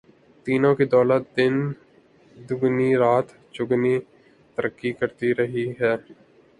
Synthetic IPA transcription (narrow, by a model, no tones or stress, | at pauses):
t̪iːnõkid̪ɔːlət̪̚d̪ɪn | d̪ʊɡniɾaːt̪ | t͡ʃʊɡni | t̪əɾəkːikəɾt̪iɾɐɦiɦɛː